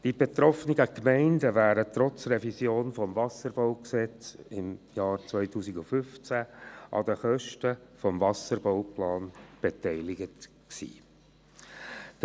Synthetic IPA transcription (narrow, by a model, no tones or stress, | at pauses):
d̥ib̥et̪ɾɔfniɡəkmɛɪndəvæːɾət̪ɾɔt͡srɛvisjoːnfɔmvɑsəɾbɔʊksɛt͡sɪmjɑːɾt͡svœʏtʰuːsiɡufʏft͡sæʔɑ̰d̥̪əχœʃtəfɔmvɑsəɾbɔwplɑːnb̥et̪ɛɪlɪɡət | ksḭː